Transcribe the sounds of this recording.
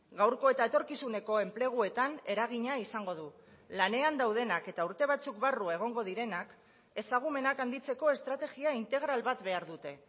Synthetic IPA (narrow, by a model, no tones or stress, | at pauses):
ɡawɾko̞e̞t̪aet̪o̞ɾkisune̞ko̞e̞mple̞ɣ̞ue̞t̪ane̞ɾaɣ̞iɲaisaŋɡo̞ðu | lane̞and̪awð̞e̞nake̞t̪auɾt̪e̞βat͡sukbarue̞ɣ̞o̞ŋɡo̞ð̞iɾe̞nak | e̞saɣ̞ume̞nakand̪it͡se̞ko̞e̞st̪ɾat̪e̞ɣiaint̪e̞ɣ̞ɾalβat̪be̞aɾðut̪e̞